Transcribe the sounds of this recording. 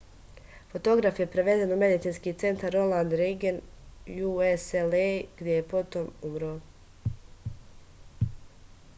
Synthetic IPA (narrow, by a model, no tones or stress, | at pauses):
fo̞t̪o̞ɡɾafje̞pɾeʋe̞d̪e̞nume̞d̪it̪siːnskiːt̪se̞nt̪aɾo̞lˠand̪ɾeɡen | jueseleɡ̥d̪je̞jepo̞t̪o̞mumɾoː